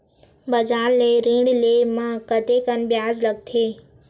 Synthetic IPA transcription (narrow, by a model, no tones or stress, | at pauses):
bəd͡ʒaːnleːɾĩːɽleːmãkət̪eːkənbjaːzləɡ̚t̪ʰeː